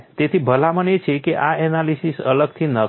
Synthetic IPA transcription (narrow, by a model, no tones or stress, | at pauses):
t̪et̪ʰibʱəlamənet͡ʃʰekeʔaɛnalisisə̰ləɡ̚t̪ʰinə